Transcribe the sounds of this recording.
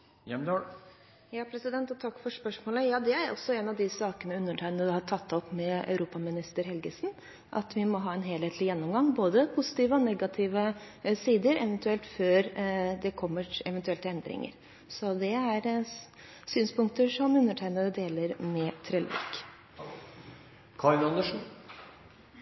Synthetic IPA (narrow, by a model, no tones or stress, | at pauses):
jɛmd̪ | jɑːpʰɾɛsɪd̪ɛnt̪ɔt̪ʰɑkːfɔʂpœʂmoːləjɑːd̪ɛæɾʔɔ̰sːɔɛnɑʋd̪ɪsɑːkənəʉnːəʈʰæɪnəd̪ʉhɑʈʰɑt̪ʰːɔpːmɛœ̰ʉɾuːpɑmɪnɪst̪əɾhɛlɡəsn̩ | ʔɑ̰t̪ʋɪmɔɦɑːɛnɦeːlheːt̪ʰlɪjɛnːʊmɡɑŋːboːd̪əpʰʊsɪ̥t̪iːʋəɔnɛɡɑt̪ʰiːʋəsiːd̪əɾɛ̰ʋɛnt̪ʉɛlt̪føːɾd̪ɛkʰɔmːəɛʋɛnt̪ʉɛlt̪ɛnd̪ɾɪ̰ŋə̰ɾ | sɔd̪ɛæɾ | syːnspʊŋk̚t̪əʂɔmʉnːəʈʰæɪnəd̪əd̪eːləɾmɛt̪ʰɾɛːlɛ̰k | kʰɑɪnɑnd̪əʂn̩